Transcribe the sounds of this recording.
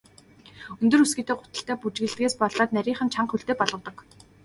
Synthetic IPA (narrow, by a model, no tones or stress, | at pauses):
ɵnt̪ɵ̆rɵsɡiːt̪eːɢʊt̪ə̆ɬt̪æːput͡ɕɣɘ̆ɮt̪̚ɡeːspɔɮɔːt̪næɾʲiːɴχə̆nt͡ɕʰaɴqxɵɮt̪eːpɔɮʁɞ̆wt̪ɞ̆k